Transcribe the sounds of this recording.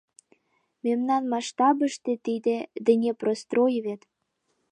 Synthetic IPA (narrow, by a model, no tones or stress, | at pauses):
memnɑnmɑʃt̪ɑbəʃt̪e̽t̪id̪ed̪ə̆nʲeprost̪rojβet̪